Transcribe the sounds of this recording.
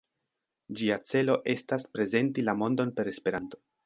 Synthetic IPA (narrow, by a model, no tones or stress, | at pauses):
d͡ʒiat͡se̞lo̞ʔe̞staspɾe̞ze̞ntilamo̞ndo̞npe̞ɾe̞spe̞ɾanto̞